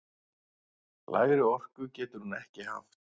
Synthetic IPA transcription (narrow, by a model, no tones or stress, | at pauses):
la̰ːjɾɪɔr̥kʏcɛːt̪ʏɾ̥hunɛhcɪha̰ft̪